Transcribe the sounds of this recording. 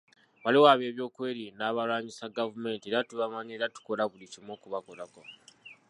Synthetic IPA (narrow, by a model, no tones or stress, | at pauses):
waliwaβe̞ːβjo̞ːkwe̞ːɾinaːβalwaːɲisaɡavume̞ːntieːɾatuβamaɲeːɾatu̥ko̞laβulicimoːkuβakolako̞